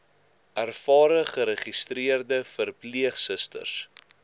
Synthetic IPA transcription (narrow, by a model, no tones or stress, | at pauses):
ærfɑːɾəχəɾəχistriərdəfərpliəχsəstə̰rs